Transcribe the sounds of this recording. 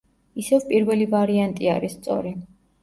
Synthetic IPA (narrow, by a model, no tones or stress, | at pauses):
isɛvpʼiɾvɛlivaɾiant̪ʼiaɾisːt̪sʼɔ̰ɾi